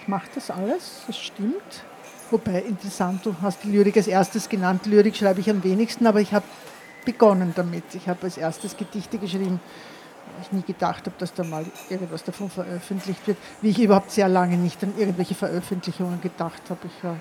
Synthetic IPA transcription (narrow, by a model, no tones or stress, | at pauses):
ɪçmaχəd̥asʔaləsd̥asʃtɪmt | vobæɪʔɪntəʁɛsant̚d̥uːhast̚d̥ilyːɐʁɪkalsʔeɐstəsɡ̥ənantlyːɐʁɪkʃʁ̥aɪbəɪçamveːnɪçstn̩aːbɐɪçhaːbə | b̥əɡ̥ɔnənd̥amɪtɪçhaːbəalsʔeɐstəsɡ̥ədɪçtəɡəʃʁ̥iːbm̩ | va̰ɪlɪçniːɡ̥əd̥aχthaːbəd̥asd̥aːmaːlʔɪɐɡŋ̩tv̥asd̥afonfɛɐʔœfəntlɪçtv̥ɪɐt | viːɪçyːbɐhaʊp̚tseːɐlaŋənɪçtanʔɪɐɡŋ̩tvɛlçəfɛɐʔœfəntlɪçʊŋənɡəd̥aχthaːbɪçvaːɐ